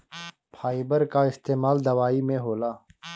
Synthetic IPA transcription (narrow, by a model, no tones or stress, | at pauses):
pʰaːibəɾkaɪst̪eːmaːld̪ɐwaːimẽɦoːlaː